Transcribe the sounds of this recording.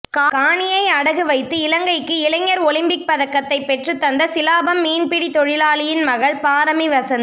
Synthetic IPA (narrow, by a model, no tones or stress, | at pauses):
kaːkaːɳɪjɐɪɐɽɐɣɯʋɐɪt̪ːɯɪlɐŋɡɐɪkːɯɪlɐŋːɐɾɔlɪmpɪk̚pɐðɐkːɐt̪ːɐɪpːɛʈrɯt̪ːɐnd̪ɐsɪlaːbɐmːiːnpɪɽit̪ɔɻɪlaːlɪjɪnmɐɣɐɭpaːɾɐmiʋɐsɐnd̪